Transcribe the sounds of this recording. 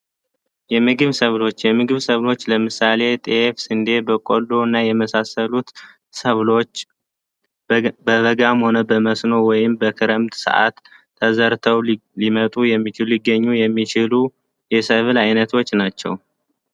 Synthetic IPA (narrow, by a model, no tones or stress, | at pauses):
jɛmɨɡɨβsəβlo̞t͡ʃːjɛmɨɡɨβsəβlo̞t͡ʃːləmɨsale̞t̪ʼefsɨnd̪e̞bəkʼolːo̞ɨnːajɛməsasəlut̪ | səβlot͡ʃː | bəβəɡamho̞nəbəməsno̞wɔjɪmbəkʰɨɾəmt̪ʼsɨ̰ʔa̰t̪ʰː | əzəɾt̪ʰəwlimət̪ʼujɛmːit͡ʃɪlliɡːəɲːujɛmːit͡ʃɪlu | jɛsəβlajnət̪ʰo̞t͡ʃːnat͡ʃːɛ̰w